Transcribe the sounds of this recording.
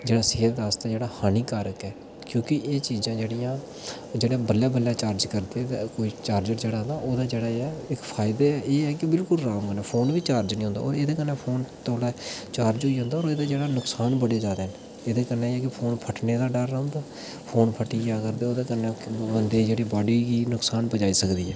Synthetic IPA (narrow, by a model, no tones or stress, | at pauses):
d͡ʒeːɽaːseːt̪aːst̪eːd͡ʒeːɽaːhaːniːkaɾəkɛː | kjõːkɪʔeːt͡ʃiːzãːd͡ʒeːɽijãː | d͡ʒeːɽaːbəljaːbəljaːt͡ʃaːɾd͡ʒkəɾd̪eːt̪ːkoːiːt͡ʃaːɾd͡ʒəʈd͡ʒeːɽaːd̪aːʔoːd̪aːd͡ʒeːɽaːeɛɪkpʰaːɪd̪eːɛːʔeːɛːkɪbɪlkʊlɾãːmənɛːpʰoːnʋiːt͡ʃaːɾd͡ʒnĩːɦʊ̃nd̪a̰ːɔ̰ːɾeːd̪eːkənːeːpʰoːnt̪oːlɛːt͡ʃaːɾd͡ʒɦoːiːõnd̪aːoːɾeːd̪aːd͡ʒeːɽaːnʊksaːnbəɽeːd͡ʒaːd̪eːɦn | eːd̪eːkəɾneːeːɛːkɪpʰoːnpʰəʈneːd̪aːɖəɾõnd̪aː | pʰoːnpʰəʈiːɡaːkəɾd̪eːoːd̪eːkəneːbənd̪eːd͡ʒeːɽiːbaːɖiːɡiːnʊksaːnpəd͡ʒaːiːsəkd̪iːɛ̰ː